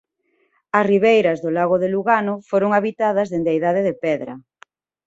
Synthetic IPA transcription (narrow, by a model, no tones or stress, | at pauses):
ɐsriβejɾɐzðolaɣoðeluɣanʊfoɾoŋaβit̪aðɐzðend̪eaijðaðeðepɛðɾɐ̰